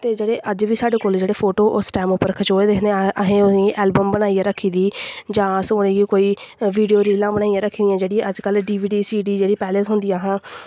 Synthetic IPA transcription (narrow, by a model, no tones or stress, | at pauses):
t̪eːd͡ʒeːɽeːʔəd͡ʒʋiːsaːɖeːkoːld͡ʒeːɽeːpʰoːʈoːʔʊsʈɛːmʊpːəɾkʰət͡ʃoːeːd̪esneʔəɦẽːʊsĩːʔɛːlbəmbənaːijãːɾəkʰːiːd̪iːd͡ʒãːəsʊnẽːɡikoːiːʋiːɖijoːɾiːlãːbənaːijãːɾəkʰːiːd̪ɪjãːd͡ʒeːɽij̃ːʔəd͡ʒkəlɖiːʋiːɖiːsiːɖiːd͡ʒeːɽiːpɛːlet̪ɦʊnd̪iːãːɦãː